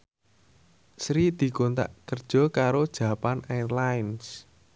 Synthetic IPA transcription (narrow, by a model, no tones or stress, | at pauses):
sɾid̪̥i̤kont̪a̰ʔkərd̥ʒ̥ɔ̤kaɾod̥ʒ̥a̤panarlaɪns